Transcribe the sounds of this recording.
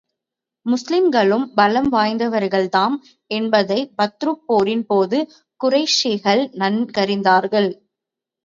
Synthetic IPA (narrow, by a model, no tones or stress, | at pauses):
mʊslɪmɡɐɭɯmbɐlɐmʋaːjnd̪ɐʋɐɾɣɐɭt̪aːm | ɛnbɐðɐɪbɐt̪ɾɯpːoːɾɪnpoːðɯ | kʊrɐɪʂɪɣɐɭnɐnkɐɾɪnd̪aːɾɣɐɭ